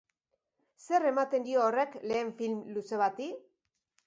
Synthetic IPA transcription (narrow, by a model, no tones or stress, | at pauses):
se̞re̞mat̪e̞nd̪ioːre̞kle̞ːɱfilmluse̞β̞at̪i